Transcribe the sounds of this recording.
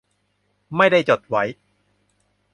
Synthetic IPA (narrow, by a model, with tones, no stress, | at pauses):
ma˥˩jda˥˩jt͡ɕo˨˩t̪̚wa˦˥j